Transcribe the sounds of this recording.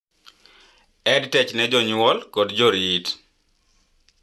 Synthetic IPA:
ɛdtɛt͡ʃnɛd͡ʒɔɲʊɔlkɔdd͡ʒɔɾit

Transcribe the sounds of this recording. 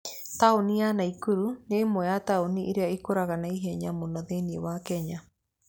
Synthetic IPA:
taonianaikuɾunemoataoniʔiɾeaikoɾaɣanaiɦɛɲamonɔðeniewakɛɲa

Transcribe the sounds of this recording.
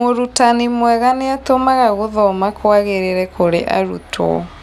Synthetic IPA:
oɾutanimwɛɣaneatomaɣaɣoðɔmakwaɣeɾeɾɛkoɾeʔa̰ɾṵtʰɔ̰

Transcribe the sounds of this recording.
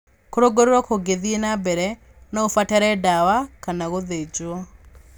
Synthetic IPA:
koɾoɡoɾoɾɔkoɡeðienabɛɾɛ | naofatɛɾɛdawakanaɣoðed͡ʒwɔ

